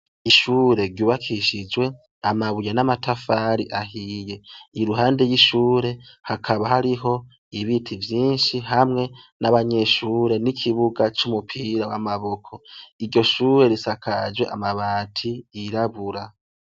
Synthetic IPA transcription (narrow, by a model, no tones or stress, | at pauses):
iʃuːɾe̞ɾɟuːβakʰiʃid͡ʒwe̞ | amaβujenamatʰafaɾiʔaɦije̞iɾuɦaːnde̞jiʃuːɾe̞hakʰaβahaɾiɦo̞ | iβitʰivjiːnʃiɦamŋe̞naβaɲe̞ʃuːɾe̞nikʰiβuɡat͡ʃumupʰiɾawa̰maβo̞kʰo̞iɾɟo̞ʃuːɾe̞ɾisakʰad͡ʒwe̞̰ʔa̰maβaːtʰiiɾaβuɾa